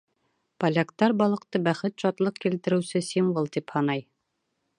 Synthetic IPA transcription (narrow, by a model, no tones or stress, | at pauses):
pɐlʲakt̪ɑɾbɒlˠɤ̆q̚t̪ɤbæχɘt̪ɕɒt̪lˠɤqkilt̪ɘ̆ɾɘ̆wsɘsimvɤlˠt̪iphɑnɑj